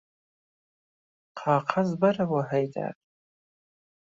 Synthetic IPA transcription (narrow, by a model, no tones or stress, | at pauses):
qʰaːqʰazbarawaħajdʰʼa̰ːtʼ